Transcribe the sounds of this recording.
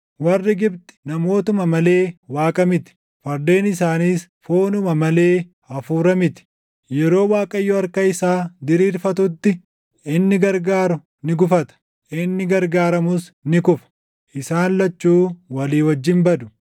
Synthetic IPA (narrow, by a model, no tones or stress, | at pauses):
wɐrːɪɡɪbt̪ɪ̥nɐmo̞ːt̪ʊmɐmɐle̞ːwaːkʼɐmɪt̪ɪ̥ | fɐɾd̪e̞ːnɪsaːniːsfoːnʊmɐmɐle̞ː | ɐfuːɾɐmɪt̪ɪ̥ | jɛɾo̞ːwaːkʼɐjːɔɐɾkɐɪsaːd̪ɪɾiːɾfɐt̪ʊt̪ːɪ | ɪnːɪɡɐɾɡaːɾʊ | nɪɡʊfɐt̪ɐ̥ | ʔɪnːɪɡɐɾɡaːɾɐmʊsnɪkʊfɐ̥ | ʔɪsaːnlɐt͡ʃːuːwɐliːwɐd͡ʒːɪmbɐd̪ʊ̥